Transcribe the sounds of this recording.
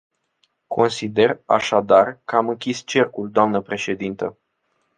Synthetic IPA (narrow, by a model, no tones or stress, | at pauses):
kʰo̞nsid̪e̞ra̰ʃad̪arkəamɨŋkʲist͡ʃe̞rkuld̪oamnəpɾe̞ʃe̞d̪int̪ə